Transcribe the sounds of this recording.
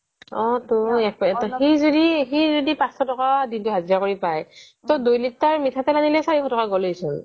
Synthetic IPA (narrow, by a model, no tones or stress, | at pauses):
ɔtʊɛk̚tɔxizodixizodipãsɔtɔkadintʊɦaziɹakoɹipaj | todujlik̚taɹmitʰatɛlanilɛsaɹikʰxɔtɔkaɡɔlojsɔn